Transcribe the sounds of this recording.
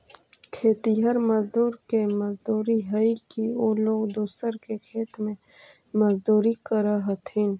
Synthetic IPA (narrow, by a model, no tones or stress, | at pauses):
kʰeːt̪iɦəɾməzd̪uːɾkemɐzd̪uːɾiɦəikioːloːɡd̪uːsəɾkekʰeːt̪mẽ | məzd̪uːɾikəɾaɦɐt̪ʰiːn